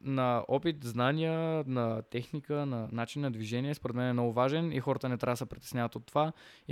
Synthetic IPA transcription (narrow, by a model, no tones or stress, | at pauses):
nɐɔpit̪znanijənɐt̪ɛxnikənɐnat͡ʃinːɐd̪viʒɛniɛspoɾɛt̪mɛnɛmnɔɡʊvaʒɛnixɔɾət̪ənɛt̪ɾʲavəsəpɾit̪ɛsnʲavət̪ot̪ːova